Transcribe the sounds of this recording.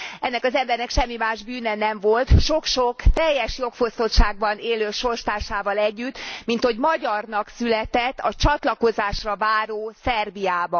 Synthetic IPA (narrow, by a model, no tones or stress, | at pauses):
ɛnːɛkɒzɛmbɛrnɛkʃɛmːimaːʒbyːnɛnɛɱvo̞lt̪ʃo̞kʃokt̪ɛjːɛʃjo̞kfost̪o̞t̪ʃaːɡ̚bɒneːløːʃo̞rʃt̪aːrʃaːvɒlɛɟːyt̪ːmint̪ho̞ɟmɒɟɒrnɒksylɛt̪ɛt̪ːɒt͡ʃɒt̪lɒko̞zaːʃrɒvaːɾoːsɛrbijaːbɒ